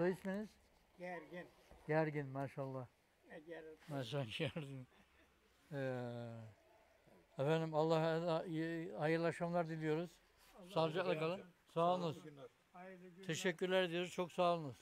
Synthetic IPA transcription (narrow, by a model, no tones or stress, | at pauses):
sajismeniz̥ | ɟæɾɟinmaːʃalˠːah | maʃaʃæɾd̪in | efænd̪imalˠːah | hajɯɾlˠaʃamlˠaɾd̪ilʲijo̞ɾuz̥ | salˠd͡ʒaklˠɯkalˠɯn | saːlˠɯnɯz | t̪ʰeʃɛcʰːyɾlʲæɾd̪ijo̞ɾuzt͡ʃʰo̞ksaːlˠɯnɯz̥